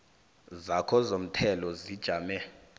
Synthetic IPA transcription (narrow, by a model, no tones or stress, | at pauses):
zakʰɔzom̩tʰɛlɔzid̥ʒ̥ʱaːmɛ